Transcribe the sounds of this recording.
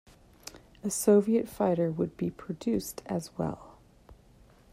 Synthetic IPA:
ɨsoʊviɨtfaɪɾə˞wəd̚bipʰɹ̥ɨdʉstʰɨzwɛ̰lˠ

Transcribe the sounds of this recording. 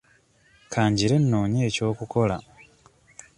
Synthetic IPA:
kʰaːɲɟiɾe̞nːo̞ːɲeːco̞ːkuko̞la

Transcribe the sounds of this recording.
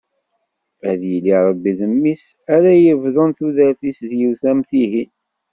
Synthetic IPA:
æðjəliɾˤəbːiðəmːis | æɾæjəvðˤənθuðæɾθisðjiwθæmθiɦi

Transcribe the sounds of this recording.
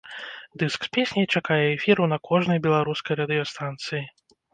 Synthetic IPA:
d̪ɨskspʲesʲnʲɐjt͡ʂakajɛɛfʲiɾunɐkʰɔʐnɐjbʲɛlˠaɾuskɐjɾɐd̪ɨjɔst̪ant̪sɨji

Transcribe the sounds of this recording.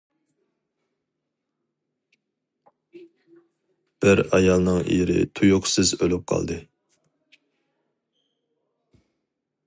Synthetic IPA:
b̥ɪɾɑjɑlˠnɨŋḭɾɪ̰t̪ʰujʊqsɨzølyp̚qʰɑ̰lˠd̪ɨ

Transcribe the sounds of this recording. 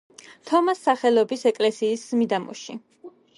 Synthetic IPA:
t̪ʰɔmasːaχɛlˠɔbisɛkʼlɛsiːsmid̪amɔ̰ʃḭ

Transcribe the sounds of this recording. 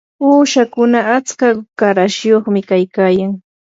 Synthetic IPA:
uːʃakʊnaat͡skakaɾaʃjoχmɪkajkaːjaŋ

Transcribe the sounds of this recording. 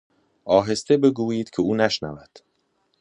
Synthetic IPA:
ʔɒːɦe̞st̪e̞be̞ɡuːjiːd̪̥cʰeuːnæʃnævæd̪̥

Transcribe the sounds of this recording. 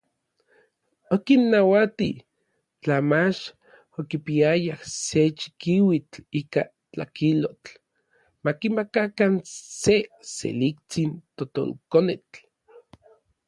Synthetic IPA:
okinːawat̪i | t͡ɬamat͡ʃ | okipiajahset͡ʃi̥kiwit͡ɬiːka | t͡ɬa̰kilot͡ɬ | makimakakansesḛlik̚t͡sint̪ot̪o̰lkonet͡ɬ

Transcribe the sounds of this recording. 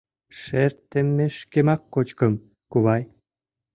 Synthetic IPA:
ʃert̪ːemːeʃkemɑkːot͡ɕkɤ̆m | kuβɑj

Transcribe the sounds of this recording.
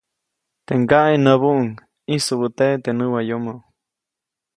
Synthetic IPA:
t̪eŋɡaʔenəβuʔuŋ | isubət̪et̪enɨwajomo

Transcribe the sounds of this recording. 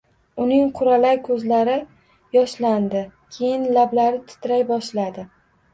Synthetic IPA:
ʊnɪŋqʰʊɾalajkʰɵzlaɾɪ | jɒʃland̪ɪkʲʰe̞jɪnlablaɾɪt̪ʰʊ̥t̪ʰɾajbɒʃlad̪ɪ

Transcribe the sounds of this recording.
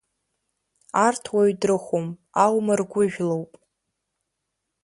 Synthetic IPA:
artʰwaɥdrɨχʷom | alwmarɡʷʊʒᶣlowpʼ

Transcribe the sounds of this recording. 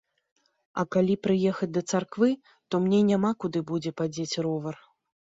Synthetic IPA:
ɐ̰kalʲipɾɨjɛxɐd͡zʲd̪ɐt̪sarkvɨ | t̪ɔmnʲenʲamakud̪ɨbud͡zʲɛpad͡zʲet͡sʲɾɔvɐr

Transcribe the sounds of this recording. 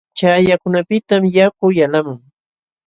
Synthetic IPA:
t͡ʃajakʊnapɪt̪amjakʊjalamʊŋ

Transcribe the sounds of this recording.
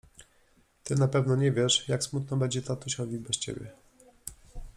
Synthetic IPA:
t̪ɘnapɛvnɔɲɛvʲjɛʂjaksmut̪nɔbɛɲd͡ʑɛt̪at̪uɕɔvʲibɛst͡ɕḛbʲjɛ̰

